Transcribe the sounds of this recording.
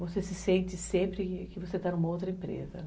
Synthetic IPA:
vosesɪsẽnt͡ʃ̪ɪsẽmpɾɪkɪvoset̪anũmɐowt̪ɾɐẽmpɾḛzɐ̰n

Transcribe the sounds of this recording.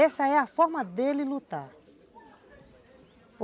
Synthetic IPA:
ɛsaɛafɔɾmad̪elilut̪a

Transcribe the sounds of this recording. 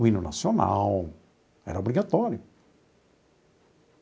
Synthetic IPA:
uĩnʊna̰siona̰w | ɛ̰ɾɐobɾiɡat̪ɔɾjʊ

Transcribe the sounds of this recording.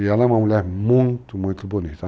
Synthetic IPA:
jalãmãwulɛmuŋtumõt̪ubonisa

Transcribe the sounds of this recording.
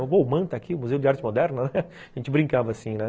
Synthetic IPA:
bomɐ̃t̪akiʊmuzewʊd͡ʒɪaɾt͡ʃɪmod̪ɛɾnɐnɛ | aʒẽnt͡ʃɪbɾĩŋkavɐːsĩnɛ

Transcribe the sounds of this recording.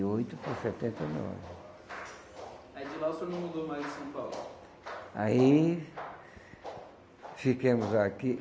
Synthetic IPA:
ojt̪ʊpasɛt̪ẽnt̪ejnɔ̰vɪ | aid͡ʒɪlaʊsɔnẽmũd̪omajzɪsɐ̃w̃pawlʊ̰ | ai | fikẽmʊzaki

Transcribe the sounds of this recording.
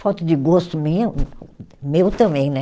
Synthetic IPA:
fɔt̪ʊd͡ʒ̪ɪɡɔst̪ʊmĩ | mewt̪ɐ̃mbẽj̃nɛ

